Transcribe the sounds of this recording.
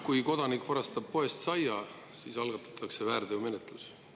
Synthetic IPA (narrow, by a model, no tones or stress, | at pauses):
kujko̞d̪̥ɑnikːˑvɑɾɑst̪ɑb̥̚po̞e̞st̪sɑjɑ | siːsɑlɡ̥ɑt̪ːˑɑ̥t̪ʰːˑɑkse̞væːrd̪̥eume̞net̪ˑlus